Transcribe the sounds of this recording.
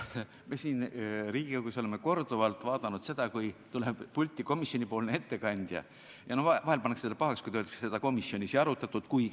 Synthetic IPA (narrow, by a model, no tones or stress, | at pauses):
mesiːnɾiːɡ̥ikokuso̞lemːeko̞rd̪̥uvɑlt̪ːˑvɑːd̪̥ɑnud̪̥se̞d̪̥ɑkujt̪uleb̥pulʲt̪ʲːˑiko̞misio̞nʲipo̞ːlnee̞t̪ːe̞kɑnʲd̪̥jɑ̰ | jɑnohɑhelpɑnːekselːepɑɦɑkskujt̪øld̪ɑksse̞d̪ɑko̞misːjo̞nʲiseɑɾut̪ːˑɑt̪ːˑud̪̥kuj